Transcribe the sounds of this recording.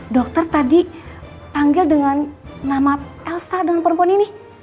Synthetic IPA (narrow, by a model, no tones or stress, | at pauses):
dɔk̚t̪ərt̪adi | paŋɡɪldəŋannamaɛlsadəŋanpəɾəmpuanini